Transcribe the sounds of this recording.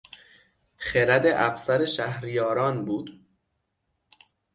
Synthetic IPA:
χeɾæd̪eʔæfsæɾeʃæhɾijɒːɾɒːnbuːd̪̥

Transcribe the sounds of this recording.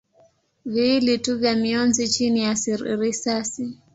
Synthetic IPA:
viːlituvjamiɔnzit͡ʃinijasɾisasi

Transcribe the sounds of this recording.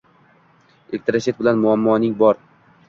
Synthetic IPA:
ɪk̚t̪ɾaʃet̪̚bɪlanmʊamːɒnɪŋbɒɾ

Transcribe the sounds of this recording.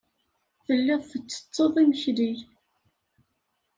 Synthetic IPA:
θəlːɪðˤθət͡sːə̥t͡sˤːəðˤiməçɾiʝ

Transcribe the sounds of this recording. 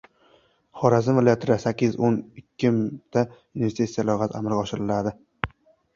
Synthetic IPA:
χɒɾazɪmvɪlɒjat̪ʰɪɾasakʲːɪzonɪkʲʰːɪmɪt̪ʰːajunvest̪it̪sijalɒʁaza̰malɡʲaɒʃɪɾɪlad̪ɪ

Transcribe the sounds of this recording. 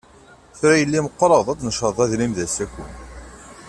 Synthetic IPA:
θɾæjəlːiməqːɾˤɑðˤæt͡sːnəʃəðˤæðlimðæsækːu

